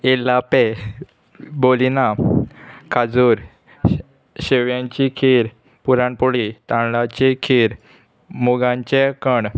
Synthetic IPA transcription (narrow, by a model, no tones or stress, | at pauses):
elapɛ | bolina | kʰad͡zuɾ | ɕeʋjãɲt͡ɕikʰeɾ | puɾãɳpɔɽit̪ãɳlat͡ɕekʰeɾ | muɡãɲt͡ɕẽkəɳ